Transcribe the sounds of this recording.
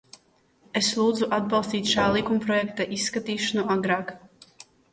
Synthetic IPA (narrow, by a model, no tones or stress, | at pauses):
eslˠuːd̪zuʔad̪̚bɑlˠst̪iːt̪ʃaːlˠikumpɾɔjɛkt̪aʔisːkat̪iːʃanuʔaɡɾaːk